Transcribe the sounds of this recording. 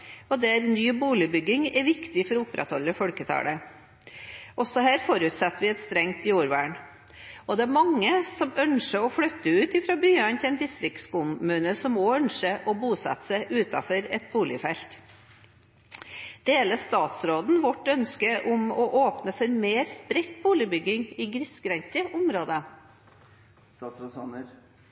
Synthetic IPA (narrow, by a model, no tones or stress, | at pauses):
ɔd̪ɛæɾnyːbuːlɪbʏɡɪŋɛʋɪkt̪ɪfɔɾɔʊpɾɛ̰t̪hɔlːəfɔlkət̪ʰɑ̰ːɽə | ʔɔsɔhæːɾfɔɾʉt̪sɛt̪ːəʋɪɛt̪st̪ɾɛŋt̪juːɾʋæ̰ːɳ | ɔd̪ɛæmɑŋːəsɔmœnʂəɔfɽœt̪ːəʉːt̪ɪfɾɑːbyːɑnt̪ʰɪɛnd̪ɪst̪ɾɪkt̪skʊmmʉːnəsɔmoːœnʂəʔɔbuːsɑ̰t̪ːə̥sæɪʔʉːt̪ɑ̰fɔɾɛt̪̚buːlɪfɛlt̪ | d̪̥eːləst̪ɑːt̪sɾoːd̪n̩ʋɔʈːœnskəʔʊmɔʔoːpnəfɔɾmeːɾspɾɛt̪ːbuːlɪbʏɡɪŋɪɡɾɪskɾɛɲtəʔʊmɾoːd̪ə